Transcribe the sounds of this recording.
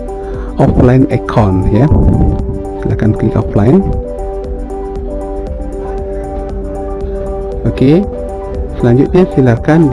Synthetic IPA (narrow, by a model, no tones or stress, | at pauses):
ʔɔflajnɛkʰɔ̃nja | silakankəlḭkɔ̰flajn | oke | səlãɲd͡ʒut̪̚ɲəsilakand͡ʒ